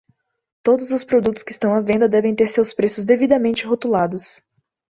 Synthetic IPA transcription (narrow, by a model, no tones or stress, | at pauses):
t̪od̪ʊzʊspɾod̪ut̪ʊ̥skɪːst̪ɐ̃w̃ɐvẽnd̪ɐd̪ɛvẽj̃t̪eɾsewspɾesʊzd̪evid̪ɐmẽnt͡ʃɪɦot̪ulad̪ʊs